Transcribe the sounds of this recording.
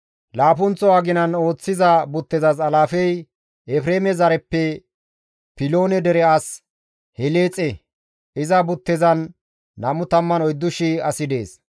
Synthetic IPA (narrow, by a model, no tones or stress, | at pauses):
laːp̬ʊnt͡sɔwaːɡɪnɐno̞ːt͡sːɪzɐbʊt̪ːɛzɐzɐlaːfɛj | ɛfɾe̞ːmɛzɐɾɛpːɛ | pɪlo̞ːnɛd̪ɛɾɛas | hɛleːt͡sʼːɛ | ɪzɐbʊt̪ːɛzɐnː | ɐmʊt̪ɐmːɐnɔjd̪ːʊʃɪɐsɪd̪e̞̰ːs